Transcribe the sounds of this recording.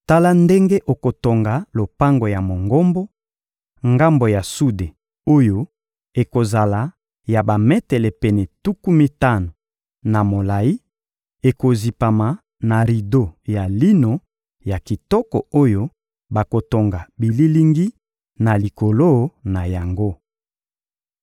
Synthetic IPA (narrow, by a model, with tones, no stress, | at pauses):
ta˦la˦nde˦ŋɡe˦ʔo˨ko˨to˨ŋɡa˨lo˨pa˦ŋɡo˨ja˨mo˨ŋɡo˦mbo˦ | ŋɡa˦mbo˨ja˨su˦de˨ | o˦jo˦ | e˨ko˨za˨la˨ | ja˨ba˨mɛ˦tɛ˨lɛ˨pɛ˨nɛ˨tu˦ku˦mi˦ta˦no˨ | na˨mo˨la˨i˦ | e˨ko˨zi˨pa˨ma˨ | na˨ʁi˨do˦ja˨li˦no˨ | ja˨ki˨tɔ˦kɔ˨o˦jo˦ | ba˨ko˨to˨ŋɡa˨bi˨li˦li˦ŋɡi˦ | na˨li˨ko˨lo˦na˨ja˨ŋɡo˦